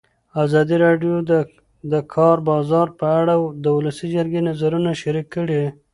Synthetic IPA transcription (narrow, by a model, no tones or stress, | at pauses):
azɑd̪iɾɑɖjo | d̪əkʰɑɾbɑzɑɾpəaɽad̪əwʊlasid͡ʒəɾɡenazaɾunaʃaɾikːəɽe